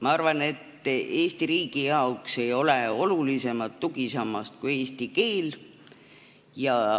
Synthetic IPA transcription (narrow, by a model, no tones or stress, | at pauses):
mɑɑrvɑne̞t̪ːe̞ːst̪iɾiːɡ̥ijɑokse̞jo̞leo̞lulise̞mɑt̪ːuɡ̥isɑmɑst̪̚kue̞ːst̪ike̞ːl | jɑ